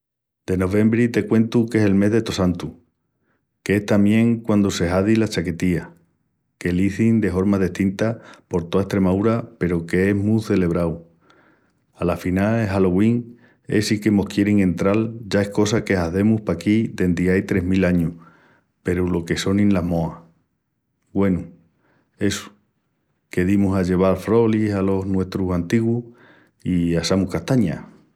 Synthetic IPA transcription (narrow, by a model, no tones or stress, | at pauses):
d̪̥e̞no̞β̞e̞mbɾit̪e̞kwe̞nt̪uke̞se̞lme̞ɦðe̞t̪o̞sant̪u | ke̞e̞ht̪amje̞ŋkwand̪ose̞ɦaðilat͡ʃake̞t̪ia | ke̞liθind̪e̞fo̞ɾmaðe̞ht̪int̪apo̞ɾt̪o̞aest̪ɾe̞maðuɾape̞ɾoke̞e̞ɦmuθe̞le̞β̞ɾaw | alafinaeɦalo̞ɣwiŋ | e̞̰sikemo̞hkje̞ɾiŋẽ̞nt̪ɾalɟ͡ʝae̞hko̞sake̞aθe̞muhpakid̪e̞nd̪iajt̪ɾe̞ɦmilaɲuh | pe̞ɾulo̞ke̞so̞nĩnlaɦmo̞a | ɡwe̞nu | e̞su̥ | ke̞ðimusaʎe̞β̞alfɾo̞lisalo̞ɦnwe̞ht̪ɾusant̪iɣwuh | iasamukaht̪aɲa̰